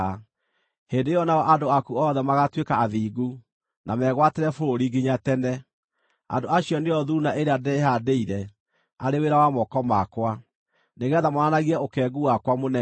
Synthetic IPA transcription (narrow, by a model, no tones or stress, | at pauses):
hendejɔnaɔʔandoakuɔðɛmaɣatwekaːðiːɡu | namɛɣwateɾɛfoɾoɾiɡiɲatɛnɛ | a̰ndoaɕijɔneɔðunaʔeɾeadɛɦadeiɾɛ | aɾeweɾawamɔkɔmakwa | neɣɛðamɔanaɣiɛokɛɡuwakwamonɛ